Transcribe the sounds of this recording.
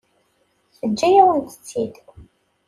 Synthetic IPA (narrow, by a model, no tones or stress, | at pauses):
θəd͡ʒːæjaənt̪ə̥t͡sːid̪